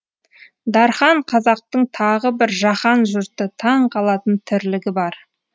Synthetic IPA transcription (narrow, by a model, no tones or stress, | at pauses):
d̪ɑɾχɑɴqʰɑzɑq̚t̪əɴt̪ʰɑʁəbɪɾʒɑχɑnʒʊɾt̪ət̪ʰɑɴqʰɑlˠɑt̪ənt̪ʰʏɾlɪɡʲɪbɑɾ